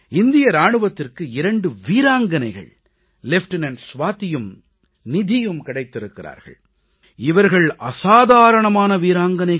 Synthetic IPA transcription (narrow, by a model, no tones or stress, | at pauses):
ɪnd̪ɪjɐɾaːɳɯʋɐt̪ːɪrkɯɪɾɐɳɖɯʋiːɾaːŋɡɐnɐɪɣɐ̰ɭ | lɛfʈɪnɐnsʋaːt̪ːɪjɯm | nɪðɪjɯmkɪɽɐɪt̪ːɪɾɯkːɪra̰ːɾɣɐ̰ɭ | ɪʋɐɾɣɐɭɐsaːðaːɾɐɳɐmaːnɐʋiːɾaːŋɡɐnɐɪ